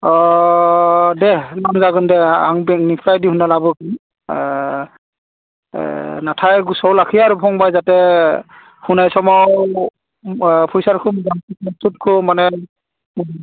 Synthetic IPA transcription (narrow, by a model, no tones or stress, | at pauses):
ɔ | dɛlɔnzaɡɔndɛa̰ŋbnikʰɹajdiɦunalabɔki | natʰajɡusɔwlakʰijaɹupʰɔŋbajzatɛ | hunajsɔmaw | pʰujsaɹkʰumɡaŋkiɔstut̚kʰɔmanɛ